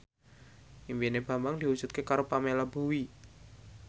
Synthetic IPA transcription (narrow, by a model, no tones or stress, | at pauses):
ʔimbineb̥a̤mbaŋd̪̥i̤wud̥d͡ʒ̥ṳt̪̚kekaɾopamelabo̤wi